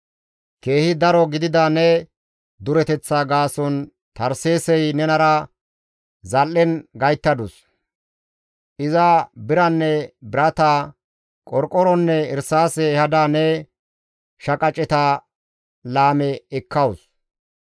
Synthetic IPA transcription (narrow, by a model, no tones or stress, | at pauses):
ke̞ːhɪd̪ɐɾɔɡɪd̪ɪd̪anɛ | d̪ʊɾɛt̪ɛt͡sːaɡaːsɔn | t̪ɐɾseːsɛjnɛnɐɾɐ | zɐlːɛnɡɐjt̪ːɐd̪ʊs | ʔɪzɐbɪɾɐnːɛbɪɾɐt̪aː | kʼɔɾkʼːɔɾɔnːɛɪɾsaːsɛhɐd̪aːnɛ | ʃɐkʼɐt͡ʃʼɛt̪a | laːmɛɛkʰːɐws